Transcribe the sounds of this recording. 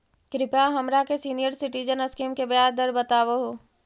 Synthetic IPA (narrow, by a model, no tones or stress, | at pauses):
kɾɪpaɦɐmɾakesiːnijəɾsɪʈid͡ʒənəskiːmkebjaːɾd̪əɾbət̪aːʋoɦoː